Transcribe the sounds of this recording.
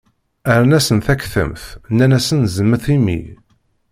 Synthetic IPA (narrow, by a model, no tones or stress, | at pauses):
əɾnæsənθækːθə̰mθnːænæsənzəmːəθimḭ